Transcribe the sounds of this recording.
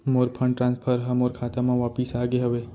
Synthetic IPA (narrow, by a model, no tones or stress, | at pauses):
moɾpʰə̃ɳʈɾãnspʰəɾɦəmoɾkʰat̪amãʋapisaɡeɦəʋe